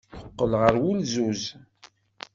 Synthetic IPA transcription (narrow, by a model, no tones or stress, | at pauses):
əqːəlʁəɾwulzuz